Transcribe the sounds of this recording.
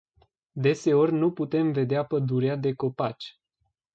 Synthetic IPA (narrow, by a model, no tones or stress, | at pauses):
d̪e̞se̞o̞rʲnuput̪e̞mve̞d̪eapəd̪uɾead̪e̞ko̞pat͡ʃʲ